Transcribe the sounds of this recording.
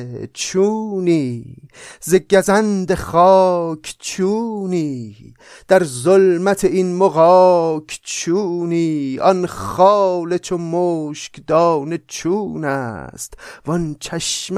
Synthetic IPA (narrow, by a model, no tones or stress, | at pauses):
t͡ʃʰuːniː | zeɡæzænd̪eχɒːkʰt͡ʃʰuniː | d̪̥æɾzolmæt̪ʰeinmoɣɒːkʰt͡ʃʰuːniːɒnχɑːlet͡ʃʰomoːʃkd̪ɒːnet͡ʃʰuːnæ̰st̪vɔnt͡ʃʰæʃm